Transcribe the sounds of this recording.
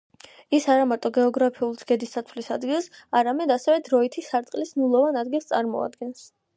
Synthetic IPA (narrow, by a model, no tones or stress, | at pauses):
isaɾamaɾt̪ʼɔɡɛɔɡɾapʰiulˠzɡɛd̪ist̪at̪ʰvlisad̪ɡilˠsaɾamɛd̪asɛvɛd̪ɾɔit̪ʰisaɾt̪sʼqʼlisnulˠɔvanad̪ɡilˠst̪ʼaɾmɔ̰a̰d̪ɡɛns